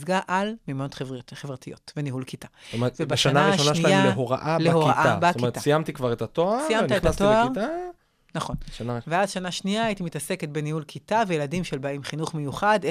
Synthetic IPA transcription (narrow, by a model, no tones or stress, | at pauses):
zɡaʔalmimotχevtχevʁatijo̞tveniɦulkitaevebaʃaanaaʁiʃoʃaniaaleɦoʁa̰ʔalehoʁaʔaabatomietasijamt̪ikvaʁet̪at̪oasijamtaeatoaʁt̪a | naχo̞nʃanaveadʃanaʃniaːit̪imitase̞ket̚benihulkʰitavejeladimʃelbaimχinuχmejuχade